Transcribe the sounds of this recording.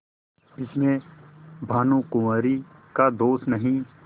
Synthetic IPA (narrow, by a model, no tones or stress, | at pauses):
ɪsmẽbʱaːnũkʊmaːɾikad̪oːsnɐɦĩ